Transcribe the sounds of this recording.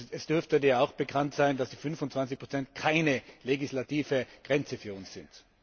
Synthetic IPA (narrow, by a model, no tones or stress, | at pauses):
ɛsd̥ʏɐftədiːɐaʊxb̥əkʰantsaɪndasd̥iːfʏnfʊntt͡sv̥ant͡sɪçpʰʁot͡sɛntkʰaɪnəleɡislatiːvəɡ̥ʁɛnt͡səfyːɐʊnsz̥ɪnt